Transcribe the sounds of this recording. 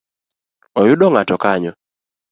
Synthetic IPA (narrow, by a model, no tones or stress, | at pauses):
ɔjʊɗɔŋatɔkaɲɔ